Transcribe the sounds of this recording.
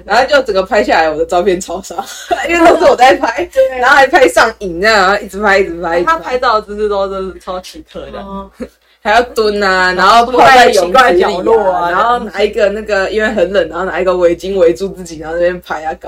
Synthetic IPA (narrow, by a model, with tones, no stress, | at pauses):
na˨˦ŋxo˥˧t͡ɕjo˥˩ʊt͡sə˨˩ŋɡə˩pʰa˥ɪɕja˥˨la˧˦ɪwɔ˨˩d̪ə˦t͡sɑ˥˧ʊpʰjɛ˥˨nt͡sʰɑ˨˥ʊsɑ˥˦ŋ | i˥˦nwe˥˧t̪o˥ʂ̩˥˩wɔ˨˩t͡sa˥˧˩ɪpʰa˦˥ɪna˨˦o˥ʊxa˧˥ɪpʰa˥ɪʂɑ˥˩ŋi˨˩ŋnə˧na˨˧˦o˥˧i˥˩t͡s̩˨˧˥pʰa˧˥ɪi˥˩t͡sɻ̩˨˧˥pʰa˧˦ɪi˥˩t̪ʰa˦˥a˥ɪt̪ɑ˥˧ʊ˩t͡s̩˧˥s̩˥˧t̪o˥˦o˥˧˥t͡sʰa˥˦ʊt͡ɕʰi˨˩t̪ʰə̰˥˩˨ | ha˧˥ɪjɑ˥˩ʊt̪wə˦˥na˧na˧˥˦xo˥˧ʊpʰa˥a˥a˥˩jɔ˨˦a˥˩t͡ɕi˩ʊlɔ˥˧˨na˧˦xo˥˩ʊna˨˩˦i˧˥ɡə˨na˥˩ɡə˨˩i˦nwe˥˩ɪxə˨˦nlə˨˩na˧˦xo˥˩na˨˩i˧˦ɡə˨˩we˧˦ɪt͡ɕi˦ŋwe˧˦ɪt͡su˥˧t͡sɹ̩˥˩t͡ɕi˨˩na˨˦˥n˥˧jɛ˥˧npʰa˦ɪa˧k